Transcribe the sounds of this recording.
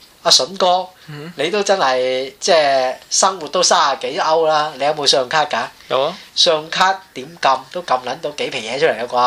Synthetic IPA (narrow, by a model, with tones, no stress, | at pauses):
aː˧sɵ˨˥nkɔː˥ne˨˧jt̪o˥wt͡sɐ˥nhɐ˨jt͡sɛː˥˩sɐ˥ŋwu˨t̚t̪o˥wsaː˥a˨˩ke˨˥jʔɐ˥wlaː˥le˨˧jɐ˧˥wmo˨˧wsœː˧ŋkʰaː˥t̚kaː˧˨ | sœː˧ŋkʰaː˥t̚t̪iː˨˥mkɐ˧mt̪o˥wkɐ˧mlɐ˨˥nt̪̬o˧wke˨˥jpʰɪ˨˩jɛː˨˥t͡ʃʰɵ˥le˨˩kːɐ˧kʷɔː˧